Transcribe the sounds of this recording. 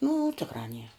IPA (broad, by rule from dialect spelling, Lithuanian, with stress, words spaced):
nʊ ˈtʲɪkrɑː nʲiɛr